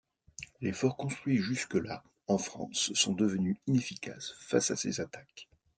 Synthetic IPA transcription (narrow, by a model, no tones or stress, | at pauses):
lefɔʁkɔ̃st̪χɥiʒyskəla | ɑ̃fχɑ̰̃sːɔ̃d̪əvənyinefikʰa̰sfa̰sasḛzat̪ak